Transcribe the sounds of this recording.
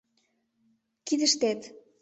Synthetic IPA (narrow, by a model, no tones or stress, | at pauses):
kid̪ə̆ʃt̪æt̪